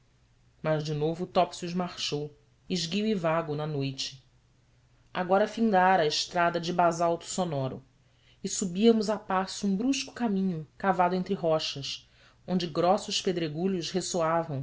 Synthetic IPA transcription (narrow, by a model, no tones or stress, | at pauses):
mɐʒd͡ʒɪnovʊt̪ɔpsiuzmaχʃow | ɪʒɡiwivaɡʊnɐnojt͡ʃɪ̥ | aɡɔɾɐfĩŋd̪aɾːɪʃt̪ɾad̪ɐd͡ʒɪbazawt̪ʊ̥sonɔɾʊ̰ | ɪsubiɐmʊzapasʊũbɾuʃkʊ̥kamĩɲʊkavad̪ʊẽnt̪ɾɪɦɔʃɐʃ | õnd͡ʒɪɡɾɔsʊʃped̪ɾeɡuʎʊʃhesoavɐ̃w̃